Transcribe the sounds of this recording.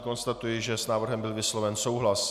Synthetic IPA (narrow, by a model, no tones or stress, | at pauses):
ko̞nst̪at̪ujɪʒɛsnaːvr̩ɦɛmbɪlvɪslo̞vɛnso̞wɦlas